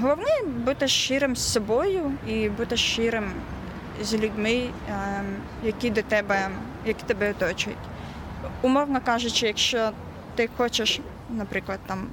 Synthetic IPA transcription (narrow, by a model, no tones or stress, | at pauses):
ɦɔlˠɔwnɛbut̪ɪʃːɪɾɪmssɔbɔjʊibut̪ɪʃːɪɾɪm | zʲlʲudʲmɪ | jɐkʲid̪ɔt̪ɛbɛ | jɐkʲi̥t̪ɛbɛɔt̪ɔt͡ʃʊʊ̰tʲ | ʊmɔwnɔkɑʒʊt͡ʃɪjɐkʃt͡ʃɔ | t̪ɪxɔt͡ʃɪʃ | nɐpɾɪklˠɐd̪̚t̪ɑm